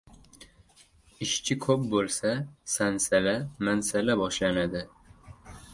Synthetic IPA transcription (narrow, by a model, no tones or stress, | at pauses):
ɪʃt͡ʃʰɪkʰɵp̚bolˠsasansalamansalabɒʃlanad̪ɪ